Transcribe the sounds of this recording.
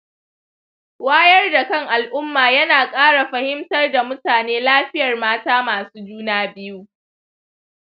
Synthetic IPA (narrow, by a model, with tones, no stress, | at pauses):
waː˦jɐ˦rda˨kɐ˦˨ŋʔa˨lʔʊ˦mːaː˨jɐ˦naː˨kʼaː˦ɽa˨ɸɐ˨˦hɪ˦mtɐ˦rda˨mʊ˦taː˨neː˦laː˦ɸɪ˦jɐ˨rmaː˦taː˦maː˨suː˦d͡ʒuː˦naː˦bɪ˦ju˦